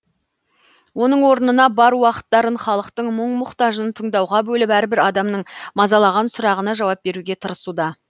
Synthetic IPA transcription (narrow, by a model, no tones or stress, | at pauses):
wo̞nəɴwo̞ɾənənɑbɑɾwɑqə̥t̪ːɑɾənχɑlˠəqt̪əɴməɴmʊqt̪ɑʒənt̪ʰəɴd̪ɑwʁɑbɵlɪpæɾɪbɪɾɑd̪ɑmnəɴmɑzɑlˠɑʁɑnsʊɾɑʁənɑʒɑwɑp̚be̞ɾuɡʲe̞t̪ʰəɾəsud̪ɑ